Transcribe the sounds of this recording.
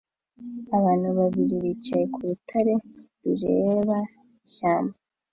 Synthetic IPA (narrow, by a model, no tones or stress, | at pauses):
aβaːn̥huβaβiɾiβiːt͡ʃaje̞kuɾutʰaɾe̞ | ɾuɾe̞βa | iʃaːmba